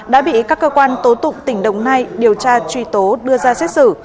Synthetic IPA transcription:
ɗa̰ː˧˥ɓḭ˧˨kaː˦˥kːəː˧kwaː˧nt̪o˨˦t̪ʊ̰˧˨ŋ͡mt̪ï˧˩ŋ̟ɗə̰˧˨wŋ͡mna˧jɗi˨˩əwt͡ɕaː˧t͡ɕwi˧˩t̪o˨˦ɗɨ˧əzaː˧sɛ˦˥t̚sɨ˧˩

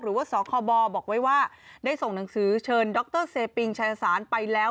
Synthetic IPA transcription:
ɾɯː˩˦waː˥˩sɔː˨˩˦kʰɔː˧bɔː˧bɔː˨˩k̚wa˦˥jwaː˥˩daː˥˩jso˨˩ŋna˩˦ŋsɯː˩˦t͡ɕʰɤː˧ndɔ˦˥k̚t̪ɤː˥˩seː˧pi˧ŋt͡ɕʰa˧ja˧saː˩˦npa˧jlɛː˦˥

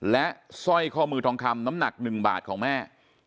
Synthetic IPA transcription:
lɛ˦˥ʔsɔ˥˩jkʰɔː˥˩mɯː˧t̪ʰɔː˧ŋkʰa˧mna˦˥mna˨˩k̚nɯ˨˩ŋba̰ː˨˩t̪̚kʰɔː˩˦ŋmɛː˥˩

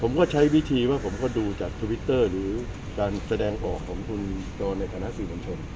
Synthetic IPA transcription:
pʰo˩˦mkɔː˥˩t͡ɕʰa˦˥jwi˦˥t̪ʰiː˧waː˥˩pʰo˩˦mkɔː˥˩duː˧t͡ɕaː˨˩k̚t̪ʰu˧wi˦˥t̪ːɤː˥˩ɾɯː˩˦ | kaː˧nsa˧dɛː˧ŋʔɔː˨˩kʰːɔː˩˦ŋkʰu˧n | t͡ɕɔː˧nːa˧jt̪ʰa˧na˦˥ʔsiː˨˩mo˧nt͡ɕʰo˧n

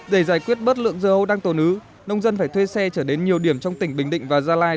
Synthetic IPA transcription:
ɗe˧˩zaː˧˩jkwi˦˥ət̚ɓə˦˥t̚lɨ̰˧˨əŋzəː˧˩ʔə˧wɗaː˧ŋt̪o˨˩nʔɨ˨˦ | nə˧wŋ͡mzə˧nfaː˧˩jt̪ʰwe˧sɛ˧t͡ɕəː˧˩ɗe˨˦nɲi˨˩əwɗi˧˩əmt͡ɕɔ˧wŋ͡mt̪ï˧˩ŋ̟ɓï˨˩ŋ̟ɗḭ˧˨ŋ̟vaː˨˩zaː˧laː˧j

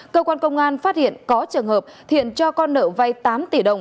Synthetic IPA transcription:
kəː˧kwaː˧nkə˧wŋ͡mʔaː˧nfaː˦˥t̚hḭ˧˨ənkɔ˨˦t͡ɕɨ˨˩əŋhəː˨˩p̚t̪ḭ˧˨ənt͡ɕɔ˧kɔ˧nːə̰ː˧˩va˧jt̪aː˨˦mt̪i˧˩ɗə˨˩wŋ͡m

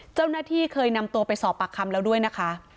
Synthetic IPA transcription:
t͡ɕa˥˩wnaː˥˩t̪ʰiː˥˩kʰɤː˧jna˧mt̪u˧pa˧jsɔː˨˩˦pːa˨˩kʰːa˧mlɛː˦˥wdu˥˩əjna˦˥kʰa˦˥

